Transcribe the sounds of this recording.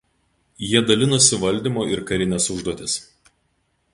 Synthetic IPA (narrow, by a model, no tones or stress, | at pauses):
jiɛd̪ɐlʲɪnʊsʲɪʋɐlʲd̪ʲiˑmoːɪɾkɐɾʲɪnʲɛsʊʒd̪uɔt̪ʲɪs